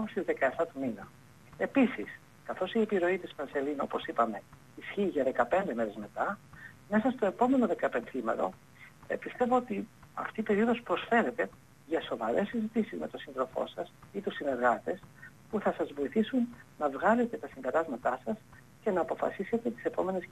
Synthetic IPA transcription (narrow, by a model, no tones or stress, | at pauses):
st̪izðe̞kɐeft̪ɐt̪uminɐ | e̞pisis | kɐθo̞sie̞piɾo̞it̪ispɐnse̞lino̞̰po̞sipɐme̞ | isçiːʝɐðe̞kɐpe̞nd̪eme̞ɾe̞zme̞t̪ɐme̞sɐst̪o̞e̞po̞me̞no̞ðe̞kɐpenθimɐ̰ɾo̞̰ | pist̪e̞vo̞ot̪i | ɐ̰ft̪iːpe̞ɾio̞ðo̞spɾo̞sfe̞ɾe̞t̪e̞ | ʝɐso̞vɐɾe̞sːizit̪isizme̞t̪o̞sinðɾo̞fo̞̰sɐsit̪usine̞ɾɣɐt̪e̞s | puθɐsɐzvo̞iθisunnɐvɣɐle̞t̪e̞t̪ɐsimbe̞ɾɐzmɐt̪ɐsɐs | ce̞nɐːpo̞fɐ̰sise̞t̪e̞t̪i̥se̞po̞me̞nes